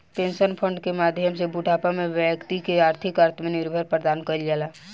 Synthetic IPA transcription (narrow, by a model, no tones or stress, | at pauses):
pẽːnʃənpʰəɳɖkemaːd̪ʱjəmsebuʈaːpamẽʋjəkt̪ikeaːɾt̪ʰɪkaːɾt̪ʰmenɪɾbʱəɾpɾəd̪aːnkəld͡ʒaːlaː